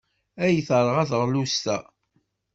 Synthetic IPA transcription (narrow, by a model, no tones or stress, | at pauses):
æjθɾˤəʁæθʁlust̪æ